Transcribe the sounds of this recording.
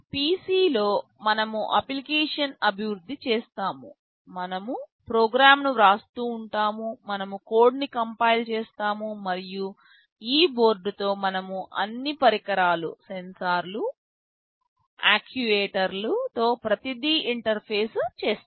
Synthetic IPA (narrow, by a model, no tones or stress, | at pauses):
piːsiːlo̞ː | mɐnɐmuʔɐ̰plikeːʂɐnɐbʱiʋɾud̪ʱːit͡ʃeːst̪aːmṵ | mɐnɐmupɾoːɡɾaːmnuɾaːst̪uːɳʈaːmumɐnɐmuko̞ːɖnikɐmpɐjlt͡ʃeːst̪aːmumɐɾiju | iːbo̞ːɾɖut̪o̞ːmɐnɐmuʔɐ̰nːipɐɾikɐɾaːlṵsensaːɾlu | aːkʰjuʋeːʈɐɾlut̪o̞ːpɾɐt̪id̪iiɳʈɐɾpʰeːst͡ʃeːst̪ː